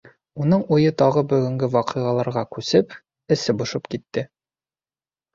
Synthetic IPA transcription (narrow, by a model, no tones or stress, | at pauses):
unɤɴujɤt̪ɒʁɤbɵ̆ɡɵ̆ŋɡɘwɒqɤ̆ʁɑlˠɑɾʁɑkʉsɘp | ɘ̆sɘbŏʃɤpkit̪ːɘ